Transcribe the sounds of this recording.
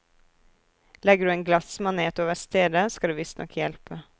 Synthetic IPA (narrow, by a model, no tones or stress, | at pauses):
lɛɡɖ̪ʉːeːŋɡlɑsmɑneːt̪oːʋəst̪eːd̪əskɑd̪ʉːʋɪst̪nʔɔ̰kʰjɛlpə